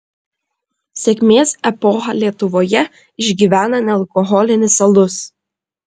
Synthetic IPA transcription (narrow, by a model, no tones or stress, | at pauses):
sʲɛkʲmʲeːsɛpɔːxɐlʲiɛt̪ʊʋoːjɛ | ɪʒʲɡʲiʋʲæːnɐnʲɛlˠkɔɦɔlʲɪnʲɪsɐlˠʊs